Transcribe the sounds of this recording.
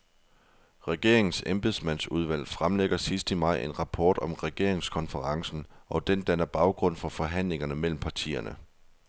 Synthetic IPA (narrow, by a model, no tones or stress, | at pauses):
ʁɛɡ̥e̝ɐ̰e̝ŋn̩semb̥esmæn̰suð̞ˠʋæl̰fʁamleɡ̥ɐsisd̥əmɑ̈ɪ̰ʔe̝nʁɑ̈pʰɒːd̥ɒ̽mʁɛɡ̥e̝ɐ̰e̝ŋskʰɒ̽nfəʁɑ̈ŋsn̩ʔɒ̽d̥end̥ænɐb̥ɑ̈ʊɡ̥ʁɔ̽n̰fɒ̽fɒ̽ɦæn̰le̝ŋɐnəmel̰m̩pʰɑ̈t͡sʰḭːɐnə